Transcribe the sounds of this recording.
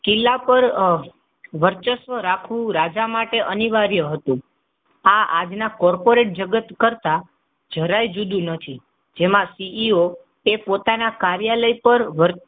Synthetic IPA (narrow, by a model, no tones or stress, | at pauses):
kɪlːapəɾ | ʋəɾt͡ʃəsʋəɾakʰʋũɾad͡ʒamaʈeʔəniʋaɾjəɦət̪ũ | aad͡ʒnakɔɾpoɾeʈ̚d͡ʒəɡət̪kəɾt̪a | d͡ʒʱəɾajd͡ʒud̪ũnət̪ʰi | d͡ʒemãsiʔio | epot̪anakaɾjaləjpəɾʋəɾ